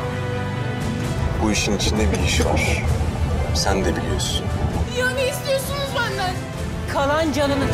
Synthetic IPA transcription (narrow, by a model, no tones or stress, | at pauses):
buiʃinit͡ʃʰind̪ɛbiiʃva̰ɾ̥ | sænd̪ɛbilʲijoɾsunijaneist̪ijoɾsunuzbænd̪æn | kʰalˠand͡ʒanɯnɯ